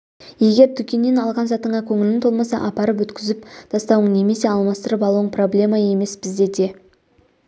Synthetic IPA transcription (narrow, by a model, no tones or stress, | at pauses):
je̞ɡʲe̞ɾt̪ʰʏkʲe̞nːe̞nɑlˠʁɑnzɑt̪əɴʁɑkʲʰɵŋɪlɪŋt̪ʰo̞lˠmɑsɑ̰ʔɑpɑɾəp̬wɵt̪kʲɪzɪp̚d̪̥ʰɑst̪ɑwəɴne̞me̞se̞ɑlˠmɑst̪əɾəpɑlˠuəɴpʰro̞blʲe̞mɑje̞me̞sbɪzd̪e̞d̪e̞